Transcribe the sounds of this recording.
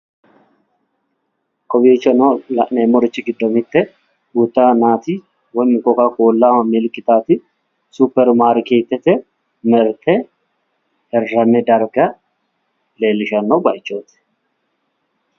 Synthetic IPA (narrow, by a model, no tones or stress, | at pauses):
kʼɔbiːt͡ʃːɐnɔlɐ̰ʔnemːɔɾɪt͡ʃːɪɡɪd̪ːɔmɪt̪ːɛ | ut̪ːaːnaːt̪ɪ | wɔjmɪkːɔkakoːlːamɐmɪlkʼːɪt̪aːt̪ɪ | supːɛɾmaːɾkeːt̪ːɛt̪ɛ | mɛɾt̪ʰɛ | ɛrːɐmɛd̪ɐɾɡɐ | le̞ːlːɪʃɐnːɔbɐjt͡ʃːoːt̪ɛ̥